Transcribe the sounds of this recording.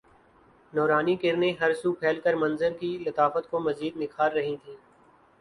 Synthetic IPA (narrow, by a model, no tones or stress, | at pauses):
nɔːɾaːnikɪɾnẽɦɐɾsuːpʰeːlkəɾmɐ̃nzəɾkilɐt̪aːfət̪̚komɐziːd̪nɪkʰaːɾːɐɦĩt̪ʰiː